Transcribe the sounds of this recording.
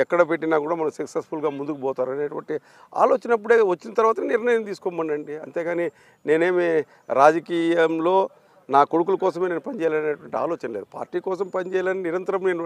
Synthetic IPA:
ɛkːɐɽɐpe̞ʈːinaːkuːɽaːmɐnɐmsɐksesfulɡaːmund̪ukubɔːt̪aːɾuɐneːʈuʋɐɳʈi | a̰ːloːt͡ʃɐnɐp̬ːuɽeːʋɐt͡ʃːinɐt̪ɐɾʋaːt̪ɐniɾɳɐjɐmt̪iːsu̥kɔmːɐɳɖɐɳɖiɐnt̪e̞ːɡaːni | ne̞ːne̞ːme | ɾaːd͡ʒɐkiːjɐmlo̞ː | naːkoɽuk̬ulɐkɔːs̬ɐme̞ːneːnupɐnit͡ʃɛːjalɐɐneːʈuʋɐɳʈia̰ːlɔːt͡ʃɐnɐleːd̪upa̰ːɾʈːiːkɔːs̬ɐmpɐnit͡ʃɛːjaːlɐːniniɾɐnt̪ɐɾɐmneːnu

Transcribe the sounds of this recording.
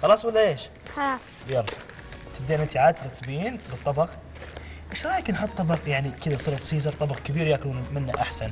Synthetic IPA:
xɑlɑsˤwəlːæeʃ | xɑ | jɑɾˤf | t̪əb̚d̪iʕlmənt̪iʕad̪̚t̪ːɾˤɑt̪ːbiinbət̪ˤːɑbɑq | ʔəʃɾˤɑjknħʊt̪ˤːɑbɑqjaʕnikəd̪æsˤʊɾt̪sizɑɾt̪ˤɑbɑqkəbiɾjækunmənːaʔaħsæn

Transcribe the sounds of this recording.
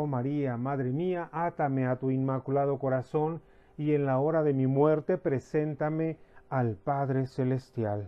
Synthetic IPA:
omaɾiamaðɾemiaʔat̪ameat̪uinmakulað̞o̞ko̞ɾaso̞n | ienlao̞ɾaðe̞mimwe̞ɾt̪e̞pɾe̞se̞nt̪ame̞alpaðɾe̞se̞le̞st̪jal

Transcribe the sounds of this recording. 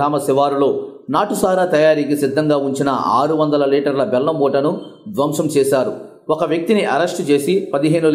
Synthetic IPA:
aːmɐsiʋaːɾulo̞ːnaːʈusaːɾaːt̪ɐjaːɾikisid̪ʱːɐŋɡaːuɲt͡ʃinɐ̰a̰ːɾuʋɐnd̪ɐlɐliːʈɐɾlɐbɛlːɐmɔːʈɐnud̪ʋɐmʂɐmt͡ʃɛːʃaːɾu | ɔkɐʋjɐk̚t̪iniʔɐɾɐsʈt͡ʃe̞ːsipɐd̪iɦe̞ːnul

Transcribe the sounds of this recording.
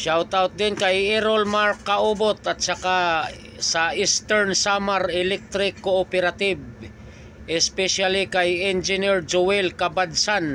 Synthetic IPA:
ʃawt̪awt̪̚d̪ɪnkajɛɾolmaɾkːaʔubot̪at̪̚saka | saʔist̪ɛɹnsamaɾɛlɛk̚t̪ɾɪkːoopɛɾat̪ɪb | ʔɛspɛʃalɪkajɛnd͡ʒɪnɪɹd͡ʒʊwɛlkabad̪san

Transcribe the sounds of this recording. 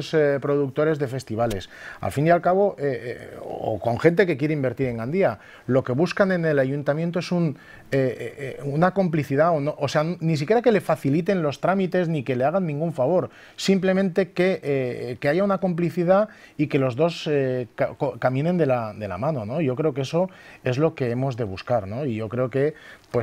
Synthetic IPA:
spɾo̞ðuk̚t̪o̞ɾe̞zðe̞fe̞st̪iβ̞ale̞sa̰lfind̪jalkaβ̞o̞ʔḛ | o̰ko̞ŋxe̞nt̪e̞ke̞kje̞ɾeimbe̞ɾt̪iɾe̞ŋɡand̪ia | lo̞ke̞β̞uskane̞nelaʝunt̪amjent̪oe̞sun | eunako̞mpliθiðaonoʔose̞anonis̬ikje̞ɾake̞le̞faθilit̪e̞nlo̞st̪ɾamit̪e̞znike̞le̞aɣ̞anːĩŋɡuɱfaβo̞ɾ | simple̞mẽ̞nt̪e̞ke̞ekeaʝaunako̞mpliθiða | ike̞lo̞zðo̞sekakokamĩnẽ̞nd̪e̞lad̪e̞la̰mãno̞no̞iʝo̞kɾe̞o̞keeso̞e̞zlo̞ke̞e̞mo̞zðe̞β̞uskaɾno̞iʝo̞kɾe̞oke̞pwes

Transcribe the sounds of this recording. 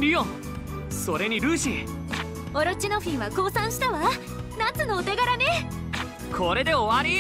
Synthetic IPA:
ɾijo | so̞ɾe̞ɲ̟iɾɯ̟ːɕi | oɾot͡ɕinoɸʲĩɰ̃βako̞ːsãɰ̃ɕi̥t̪aβa | nat͡sɨno̞ːt̪eɡaɾane | kʰo̞ɾe̞d̪e̞oβaɾʲi

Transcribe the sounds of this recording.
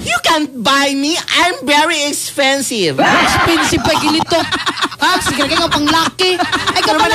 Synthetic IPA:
jukɛ̃nbajmiãjmvɛɹiɛkspɛ̃nsɪvɛkspɛnsɪb̚pɐɡɪnɪt̪oasɪkɪɾɡaŋɐpɐŋlaːkɪɐjkɐn

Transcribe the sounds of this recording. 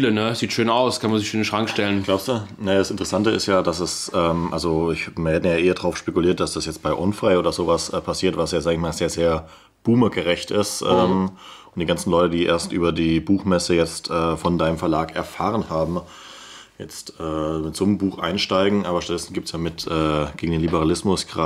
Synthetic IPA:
lənəz̥iːtʃøːnaʊskʰanmanzɪçʃøːnənʃʁ̥aŋkʃtɛlənɡ̥laʊpstd̥uːnajaːdasɪntəʁəsantəɪ̰stjaːdasɛsʔɛːmʔa̰lzoɪçmiɐhɛːtn̩jaːʔeːɐdʁaʊfʃpekʊliːɐt̚d̥asd̥asjɛt͡st̚b̥aɪʔʊnfʁ̥aɪʔoːdɐzoːvasʔpʰasiːɐtv̥asjaːzaːɡəɪçmaːlzeːɐzeːɐ | b̥uːməɡəʁɛçtɪstʔɛːmm | ʔʊntd̥iːɡant͡sn̩lɔʏtədiːʔḛːɐstʔyːbɐdiːbuːxmɛsəjɛt͡stʔɛːfɔndaɪnəmfɛɐlaːkɛɐfaːʁənhaːbm̩ | jɛ̰t͡stʔɛːɪtz̥oːmmbuːxʔa̰ɪnʃtaɪɡŋ̩ʔaːbɐʃtatd̥ɛsn̩ɡiːptsjaːmɪtʔɛːɡ̥eːɡŋ̩deːnlibəʁalɪsmʊsɡ̥ʁa

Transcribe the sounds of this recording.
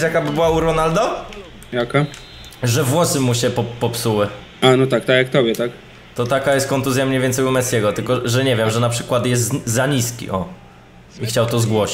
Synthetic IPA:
jakabɘbɘwauɾɔnald̪ɔ | jaka | ʐɛvwɔsɘmuɕɛpɔpːɔpsuwɘ | ʔanɔt̪ak̚t̪akjak̚t̪ɔbʲjɛt̪ak | t̪ɔt̪akajɛst̪kɔnt̪uzʲjamɲejvʲɛnt̪ɛjvumɛt̪skʲɛɡɔt̪ɘlkɔʐɛɲɛvʲjɛmʐɛnapʂɘkwat̪jɛst̪zaɲiskʲḭʔɔ | ixt͡ɕawt̪ɔzɡwɔɕi̥

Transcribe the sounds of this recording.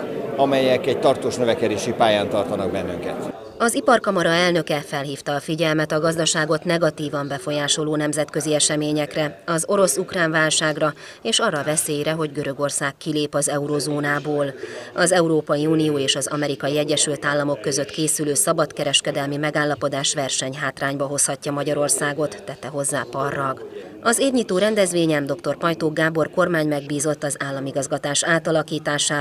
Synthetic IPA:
ɒmɛjɛkɛc̚t̪ɒrt̪oːʃnøvɛkɛd̪eːʃipaːjaːnt̪ɒrt̪ɒnɒɡ̚bɛnːyŋkɛ̰t̪ | ɒzipɒrkɒmɒɾɒɛlnø̞kɛfɛlɦiːft̪ɒːfiɟɛlmɛt̪ɒɡɒzd̪ɒʃaːɡo̞t̪nɛɡɒt̪iːvɒmbɛfo̞jaːʃo̞loːnɛmzɛt̪kø̞ziɛʃɛmeːɲɛkrɛɒzo̞ɾo̞sukraːnvaːlʃaːɡrɒ | eːʃɒrːɒvɛseːjɾɛɦo̞ɟɡø̞ɾø̞ɡo̞rsaːkːileːpɒzɛuɾozoːnaːboːlɒzɛuɾoːpɒjiuːnijoːeːʃɒzɒ̰mɛɾikɒjiɛɟːɛʃylt̪aːlːɒmo̞kːø̞zø̞t̪keːsyløːsɒbɒt̪kɛɾɛʃkɛd̪ɛlmimɛɡaːlːɒpo̞d̪aːʃʋɛrʃɛɲɦaːt̪raːɲbɒɦo̞shɒcːɒmɒɟɒɾo̞rsaːɡo̞t̪ːɛt̪ːɛɦo̞zːaːpɒrːɒɡ | ɒzeːrɲiːt̪oːɾɛnd̪ɛzʋeːɲɛmd̪o̞kt̪o̞rpɒjt̪oːɡaːbo̞rko̞rmaːɲmɛɡbiːzo̞t̪ːɒzaːlːɒmiɡɒzɡɒt̪aːʃaːt̪ɒlɒkiːt̪aːʃaː

